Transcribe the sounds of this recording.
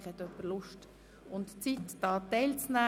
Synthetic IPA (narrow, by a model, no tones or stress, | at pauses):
χɛt̪œpəɾlʊʃt | ʊntt͡sitd̥ɑːtɛɪlt͡snæː